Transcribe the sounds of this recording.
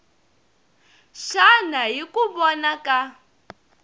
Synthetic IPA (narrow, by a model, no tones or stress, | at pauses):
ʃanaɦikuβɔnaka